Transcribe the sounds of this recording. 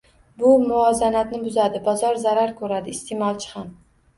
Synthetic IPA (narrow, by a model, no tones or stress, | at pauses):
bʊmʊɒzanat̪nɪbʊzad̪ɪbɒzɒɾzaɾaɾkʰɵɾad̪ɪːst̪ʰemɒlˠt͡ʃʰɪ̥ham